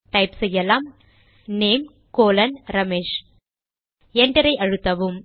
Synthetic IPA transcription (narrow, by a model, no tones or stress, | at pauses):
ʈɐɪpsɛjːɐlaːm | neːm | koːlɐnɾɐmeːʃ | ɛɳɖɐɾɐɪʔɐɻɯt̪ːɐʋɯm